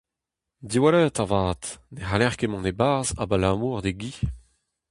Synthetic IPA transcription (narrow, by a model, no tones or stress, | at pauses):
diwalœːt̪avaːt̪neɦalɛʁkemɑ̃nebaza̰balamuːʁd̪eɡi